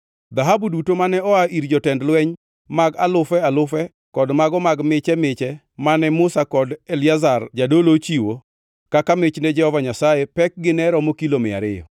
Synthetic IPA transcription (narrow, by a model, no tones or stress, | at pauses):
d̪aɦabudutomanɛɔaʔiɾd͡ʒɔtɛndlwɛɲ | maɡalʊfɛalʊfɛ | kɔdmaɡɔmaɡmɪt͡ʃɛmɪt͡ʃɛ | manɛmʊsakɔdelɪazard͡ʒadolot͡ʃiwo | kakamɪt͡ʃnɛd͡ʒɛhɔvaɲasajɛpɛk̚ɡɪnɛɾɔmokilomɪa̰ɾɪ̰jɔ̰